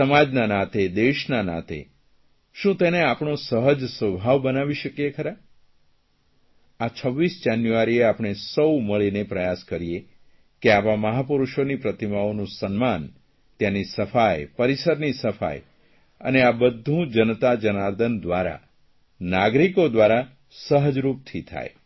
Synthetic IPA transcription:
səmad͡ʒnanat̪ʰed̪eʃnana̰t̪ʰḛ | ʃũt̪eneapɳ̃osəɦəd͡ʒsəbʱaʋbənaʋiʃəkijekʰəɾa | at͡ʃʰəʋːisd͡ʒanjuʋaɾieapɳ̃esəwməɭinepɾəjaskəɾie | keaʋaməɦapuɾuʃonipɾət̪imaonũsənman | t̪janisəfajpəɾisəɾnisəfa̰j | ə̰neabəd̪ʱːũd͡ʒənt̪ad͡ʒənaɾd̪ʱənd̪ʋaɾa̰ | naɡɾikod̪ʋaɾa | səɦəd͡ʒɾup̚t̪ʰit̪ʰa̰je

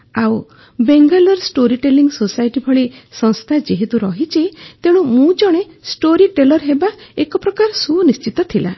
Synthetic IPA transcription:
aw | beŋɡalɔɾsʈoɾiʈeliŋɡsosajʈibʱɔɭisɔ̃ŋst̪ʰad͡ʒeɦet̪uɾɔɦit͡ʃʰit̪eɽ̃umũd͡ʒɔɽ̃e | sʈoɾiʈelɔɾɦebaekɔpɾɔkaɾɔsunist͡ʃit̪ɔt̪ʰila̰

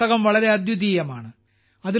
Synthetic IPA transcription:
ɐɣɐmʋɐɭɐɾe̞ɐd̪jud̪iːjɐmaːɳɨ | ɐði

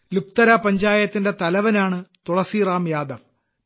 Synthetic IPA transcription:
luk̚t̪ɐɾɐpɐɲd͡ʑaːjɐt̪ːinde̞t̪ɐlɐʋɐnaːɳɨt̪uɽɐsiːraːmjaːd̪ɐʋ

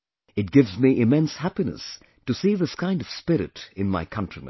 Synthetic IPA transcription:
ɨt̚ɡ̥ɪvzmiʔɪmɛ̃nshæpinə̰s | tɨsiðɪskʰãɪ̃ndʌv̥spɪɾɨ̰ɾɨ̃nma̰ɪkʰʌ̃ntɹ̥imɨ̰̃

